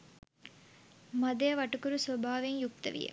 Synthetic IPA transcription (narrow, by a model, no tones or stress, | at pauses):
mɐd̪ɐjɐʋɐʈːukuɾusɐbʱaːʋeŋjuk̚t̪ɐ̰ʋḭjḛ